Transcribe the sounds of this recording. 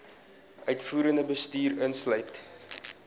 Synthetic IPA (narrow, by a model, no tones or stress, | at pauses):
ʔœɥtfuːɾəndəbəstyːɾənslœɥt